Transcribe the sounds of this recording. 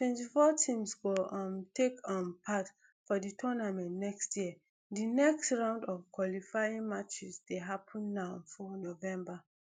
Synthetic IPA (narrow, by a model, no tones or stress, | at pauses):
tʰwɛ̃ntifɔtʰĩmsɡoʌ̃mtekʌ̃mpʰat | fɔditʰɔnamɛ̃nnɛkstjiə | dinɛkstɹãʊ̃ndɔvkwalifaɪĩŋmat͡ʃisdeɦapʰə̃nːaʊfɔnovɛ̃mba